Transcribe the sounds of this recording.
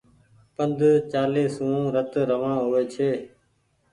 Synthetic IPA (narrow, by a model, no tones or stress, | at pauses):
pənd̪ʱt͡ʃaːleːsũːɾət̪ɾəʋãːɦʊʋeːt͡ʃʰeː